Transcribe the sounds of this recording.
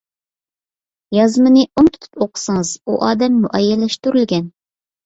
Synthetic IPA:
jɑzmɨnɨʔont̪ʰu̥t̪ʰu̥poqʰə̥sɨŋɨz̥uʔɑːd̪ɛmːuʔɛjːɛlːæʃt̪yɾylɡʲɛn

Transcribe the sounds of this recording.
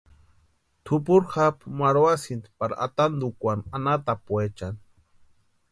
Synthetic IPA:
t̪ʰupuɾxapmaɾuwasint̪paɾa̰t̪and̪ukʷananat̪apuet͡ʃan

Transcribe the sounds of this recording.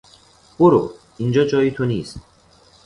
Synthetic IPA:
b̥oɾo̰ | ind͡ʒɒːd͡ʒɒːjit̪ʰoniːst̪

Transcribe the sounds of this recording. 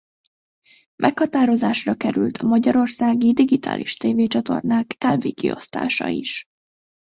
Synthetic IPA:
mʔɛkhɒt̪aːɾo̞zaːʃrɒkɛɾylt̪ʰɒmɒɟɒɾo̞rsaːɡid̪iɡit̪ʰa̰ːlʔiʃt̪eːveːt͡ʃɒt̪o̞̰rnaːkʰɛlviːkḭo̞st̪a̰ːʃɒ̰iʃ

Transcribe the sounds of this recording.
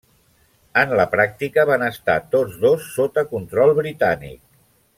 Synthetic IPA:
ənləpɾak̚t̪ikəβanəst̪a̰t̪od͡zðosːot̪əkunt̪ɾɔlˠβɾit̪anḭk̚

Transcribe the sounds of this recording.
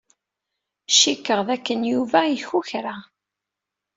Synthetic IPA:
ʃikːəʁðækːənjuvæjiçuçɾa

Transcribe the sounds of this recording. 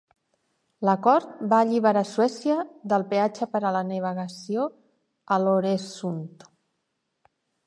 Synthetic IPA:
ləkɔɾt̪̚baːʎiβ̞aɾaswɛsjəðəlˠpeat͡ʃəpəɾələnəβəɣəsjo | əloɾesunt̪

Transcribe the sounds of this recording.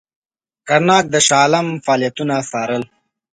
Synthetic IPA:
kaɾnɑːk̚d̪əʃɑːlamfɑːlijat̪unasɑːɾəl

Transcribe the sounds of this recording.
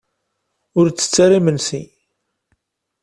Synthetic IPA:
ʊɾt͡sːə̥t͡sːaɾimənsḭ

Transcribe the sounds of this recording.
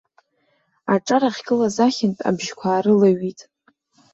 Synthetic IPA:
aʈ͡ʂʼaɾaχʲkʲʼɨlazaχʲɪntʼa̰bʒkʷʰaːɾɨlaɥitʼ

